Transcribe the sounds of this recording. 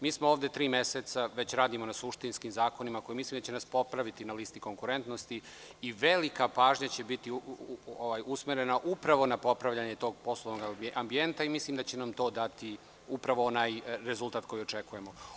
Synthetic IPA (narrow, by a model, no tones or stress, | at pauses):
miːsmooːʋd̪e̞t̪ɾiːme̞set̪saʋe̞t͡ɕɾaːd̪imo̞nasuʃt̪inskimzaːko̞nimako̞jimislimd̪at͡ɕenaspo̞pɾaʋit̪inaliːst̪iko̞ŋkuɾe̞nt̪no̞st̪i | iʋe̞likapaːʒɲat͡ɕe̞bit̪ioʋaːjusmeɾe̞naʔupɾaʋo̞napo̞pɾaʋʎaɲe̞t̪o̞ːɡ̚po̞slˠoʋnoɡambie̞nt̪aimisliːmd̪at͡ɕe̞namt̪o̞ːd̪at̪i | upɾaʋo̞onaːjɾe̞zulˠt̪aːt̪ko̞jio̞t͡ʃe̞kuje̞mo